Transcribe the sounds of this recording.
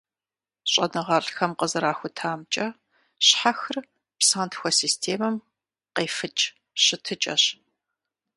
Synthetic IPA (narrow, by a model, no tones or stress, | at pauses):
ɕʼɐnɨʁɐɮxɐmqəzɨɾaːxʷʊtʰaːmt͡ʃʼɐ | ɕħaxɨr | psaːntʰxʷɔsiːstʰeːmɐm | qeːfɨt͡ʃʼ | ɕɪtʰɨt͡ʃʼɐ̰ɕ